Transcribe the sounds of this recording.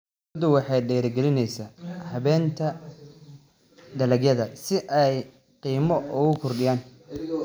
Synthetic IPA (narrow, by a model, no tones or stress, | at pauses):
d̪ʊwɑħɑjɖɛːɾɡɛlɪnɛjsaːhɐβɛːnt̪ʰɐ | ɖɐlɐɡjɐðɐsɪʔɛj | qiːmɔʊɣʊkʰɔrɖɪjaːn